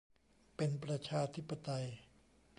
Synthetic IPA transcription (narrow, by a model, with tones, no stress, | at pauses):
pe˧npɾa˧t͡ɕʰaː˧t̪ʰi˦˥pːa˧t̪a˧j